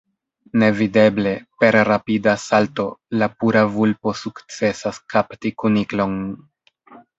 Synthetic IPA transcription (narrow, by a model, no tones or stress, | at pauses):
ne̞vide̞ble̞pe̞ɾɾapidasalto̞lapuɾavulpo̞sukt͡se̞saskʰaptikuniklo̞n